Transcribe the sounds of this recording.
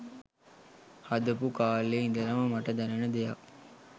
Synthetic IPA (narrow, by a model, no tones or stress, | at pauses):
hɐd̪ɐpukaːlːeind̪ɐɾɐmɐmɐʈɐd̪ɐnɐnɐd̪ejak